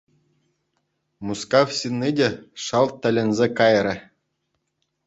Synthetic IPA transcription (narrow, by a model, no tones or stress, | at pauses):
muskɑwsʲinʲːidʲeʂɑlˠt̪̚ʲːɘ̆lʲɘ̆nʲzʲekɑjrʲɘ̆